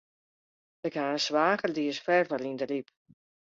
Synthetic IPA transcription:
ɪkhaənsʋaːɣərdiəsfɛrfɔɾindəlip

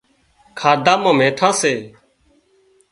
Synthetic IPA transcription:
kʰaːd̪ãːmãːmẽːʈʰãːseː

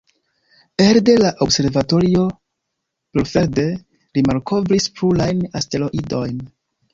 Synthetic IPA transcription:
eɾde̞laʔobse̞ɾvato̞ɾio̞ | peɾfe̞ɾde̞ | ɾimaɾko̞vɾispɾulajnaste̞lo̞ʔido̞jn

